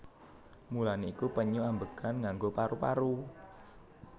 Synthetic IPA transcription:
mulaneikupəɲuambəkanŋaŋɡopaɾupa̰ɾu

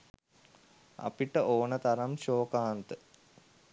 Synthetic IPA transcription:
ɐ̰piʈːəʔoːnət̪ɐɾɐmɕoːkaɦant̪ə

